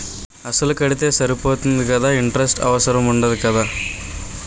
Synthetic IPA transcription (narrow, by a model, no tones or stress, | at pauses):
ɐsɐlukɐɽit̪eːsɐɾipoːt̪inɐd̪ukɐd̪ɐiɳʈɾesʈɐ̰ʋɐsɐɾɐmuɳɖɐd̪ukɐd̪ɐ